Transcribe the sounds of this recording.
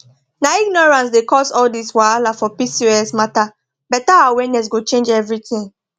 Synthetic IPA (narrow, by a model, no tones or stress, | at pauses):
naiɡ̚nɔɹãns̬dekɔsɔldiswaalafɔpisiɛsmata | bɛtaawɛnɛs̬ɡot͡ʃẽnd͡ʒɛvɹiθĩŋ